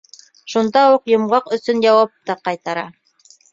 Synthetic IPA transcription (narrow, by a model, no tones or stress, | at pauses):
ʃund̪ɑuqjŏmʁɑqɵ̆sɵnjɑwɑp̚t̪ɑqɑjt̪ɑɾɑ